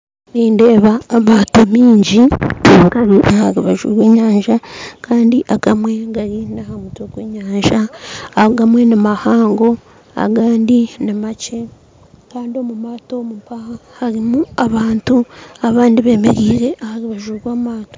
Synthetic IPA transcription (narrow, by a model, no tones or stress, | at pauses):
ɾiːnde̞ːβaːmaːtomiːɲɟikaɾiʔahaɾiβaʒṵːɾwe̞ːɲaːɲʒakaːndiʔakamwe̞ɡaɾinahamutwoɡwe̞ːɲaːɲʒaːɡamwe̞nimahaːŋɡo̞ | a̰ɡaːndinimat͡ʃe̞ | kaːndio̞mumaːto̞mumpahahaɾimuaβaːntuaβaːndiβe̞ːme̞ɾiːɾe̞ʔahaɾiβaʒuɾwaːmaːto